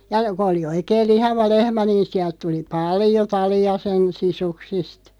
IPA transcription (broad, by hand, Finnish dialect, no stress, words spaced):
jɑ kŏ oli oikeːl lihɑʋɑ lehmæ niːn siælt tuli pɑljo tɑliɑ sen sisuksist